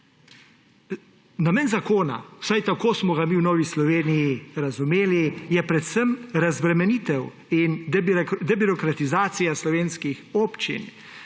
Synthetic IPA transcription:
nameːnzakoːna̰wsajt̪akoːsmɔɡamiːwnɔːʋislɔʋeːnijiɾazumeːlijɛpɾɛt̪səmɾazbɾɛmɛnit̪ɛw | ind̪ɛbiɾɔkɾat̪izaːt̪sijaslɔʋeːnskixoːpt͡ʃḭn

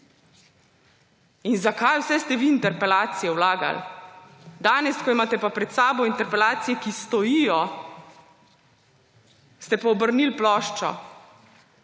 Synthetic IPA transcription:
inzakajwsɛst̪ɛʋiːnt̪ɛɾpɛlaːt̪sijɛwlaːɡa̰l | d̪aːnɛskɔimaːt̪ɛpapɾɛt̪saːbɔint̪ɛɾpɛlaːt̪sijɛkist̪ɔjijɔ | st̪ɛpaɔbəɾnilplɔːʃt͡ʃɔ̰

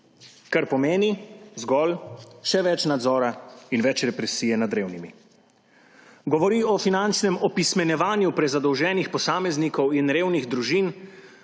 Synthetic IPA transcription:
kaɾpɔmeːnizɡɔlʃɛʋɛt͡ʃnad̪zɔːɾainʋɛt͡ʃɾɛpɾɛsiːjɛnad̪ɾeːwnimi | ɡɔʋɔɾiɔfinant͡ʃnɛmɔpismɛnjɛʋaːnjupɾɛzad̪ɔwʒɛːnixpɔsaːmɛznikɔwinɾeːwniɣd̪ɾuʒin

